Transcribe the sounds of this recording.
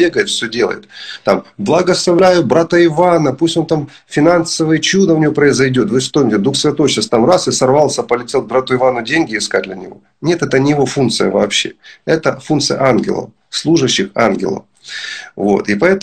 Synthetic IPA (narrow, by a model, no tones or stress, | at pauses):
eɡəjɪt̪fsʲɵdʲe̞lˠə̰jɪ̰t̪t̪amblˠɐɡəslˠɐvlʲæjʊbɾat̪əɪvanəpusʲtʲo̞nt̪am | fʲɪnansəvəjət͡ɕud̪əʊnʲɪvopɾəɪzɐjdʲo̞t̪vɨʂt̪omʲɪtʲɪd̪uxsvʲɪt̪o̞jɕast̪amrasɨsɐrvalˠsʲəpəlʲɪtʲe̞l̚ˠbɾat̪ʊɪvanʊdʲenʲɡʲɪɪskad̚ʲdlʲɐnʲɪ̰vo̞̰ | nʲe̞t̪ɛt̪ənʲɪjɪvo̞funt̪sɨjə̰vɐ̰ːpɕːḛɛt̪əfunt̪sɨjə̰ʔanɡʲɪ̰lˠə̰f | slˠuʐɨɕːɪxa̰nɡʲɪ̰lˠə̰f | vo̰t̪ɪpɐɛt̪